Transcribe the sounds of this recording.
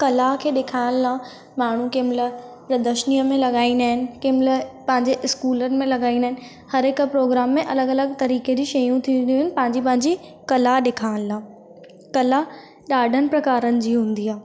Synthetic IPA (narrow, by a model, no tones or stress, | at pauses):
kɐlakʰeːɗekʰaːɪlɪlãː | maːɳ̤ukemɪləpɾɐd̪əʃnijəmẽlɐɠaːĩnaːɦɪnɪ̆kɪmɪləpɐ̃ɦɪ̃ɲd͡ʑeʔɪskuːlənɪ̆mẽlɐɠaːĩndaːɦɪnɪ̆ | hɐɾɪkpɾoːɡɾaːmːẽʔɐləɡɐləɡt̪ɐɾiːked͡ʑiːʃɐjũt̪ʰĩnd̪iuɦɪnɪ̆pɐ̃ɦɪ̃ɲd͡ʑip̬ɐ̃ɦɪ̃ɲd͡ʑikɐlaɗekʰaːɪ̃llãː | kɐla | ɗaːɖʱənɪ̆pɾɐkaːɾənɪ̆d͡ʑiːɦũːn̆d̪iaː